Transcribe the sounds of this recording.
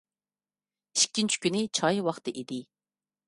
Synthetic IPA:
iʃkʲːint͡ʃʰi̥kʲynɪt͡ʃʰɑjwɑχt̪ɨʔid̪ɪ

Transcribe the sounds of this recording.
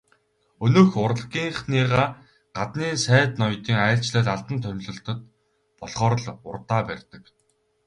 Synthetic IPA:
ɵnɵ̆ːxʊɾə̆ɮɡiːŋχniːʁaː | ɢ̥at̪niːnsæːt̪nɔjt̪iːŋaːɬt͡ɕɮæːt̪aɮt̪ə̆nt̪ʰœmʲɮɵ̆ɬt̪ə̆t̪̚ | pɔɮχɔːɾə̆ɮʊ̰rt̪aːpærʲt̪ə̆k

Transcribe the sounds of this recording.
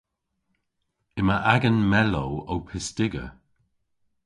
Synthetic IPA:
ɪməʔaɡənmɛlowowpʰɪstɪɡə̰

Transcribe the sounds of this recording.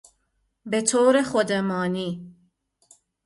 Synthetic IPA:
bet̪ʰoːɾexod̪emɑːniː

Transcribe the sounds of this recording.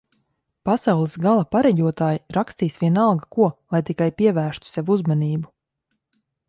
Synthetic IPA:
pasawlˠisɡalˠapaɾɛjuɔt̪aːjiɾakst̪iːsʋʲiɛnalˠɡakuɔlˠajt̪ikajpiɛvæːɾʃt̪u̥seʋuzmaniːbu

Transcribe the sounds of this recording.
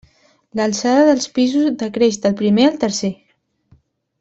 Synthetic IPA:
ləlˠsaðəðəlˠspizuzd̪əkɾeʃd̪əlˠpɾimeəlˠt̪əɾse

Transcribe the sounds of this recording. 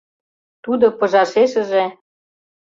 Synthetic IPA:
t̪ud̪ŏpɤ̆ʒɑʃeʃə̆ʒĕ

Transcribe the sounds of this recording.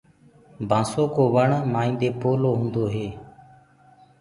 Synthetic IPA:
bʱãːsoːkoːʋəɳmaːĩːnd̪eːpoːloːɦũːnd̪oːɦeː

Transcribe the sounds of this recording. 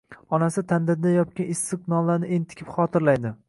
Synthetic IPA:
ɒnasɪt̪ʰand̪ɪɾd̪ajɒt̪̚kʲanɪsːɨqnɒnlaɾnɪʔent̪ʰɪ̥kʲɪ̥pχɒt̪ʰɪɾlajd̪ɪ

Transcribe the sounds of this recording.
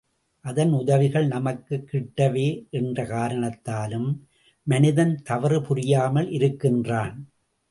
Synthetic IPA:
ʔɐðɐnʊðɐʋɪɣɐɭnɐmɐkːɯkːɪʈːɐʋeːʔɛndrɐkaːɾɐɳɐt̪ːaːlɯmː | ɐnɪðɐnt̪ɐʋɐɾɯpʊɾɪjaːmɐlɪɾɯkːɪndraːn

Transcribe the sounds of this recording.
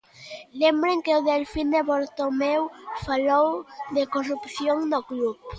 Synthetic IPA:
lembɾeŋkeoðelfind̪eβoɾt̪omewfalowðekorupθjoŋnoɣlup

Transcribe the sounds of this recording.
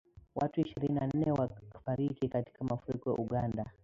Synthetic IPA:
watuiʃiɾininan̩nːɛwafaɾikikati̥kamafuɾikɔja̰ʔuɠanda

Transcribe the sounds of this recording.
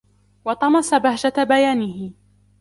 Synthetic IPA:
wɑt̪ˤɑmɑsabahd͡ʒabajaːnɪhɪ

